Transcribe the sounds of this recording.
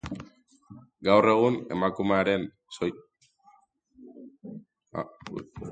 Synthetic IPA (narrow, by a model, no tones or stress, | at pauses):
ɡawre̞ɣ̞une̞̰makumeaɾe̞n | so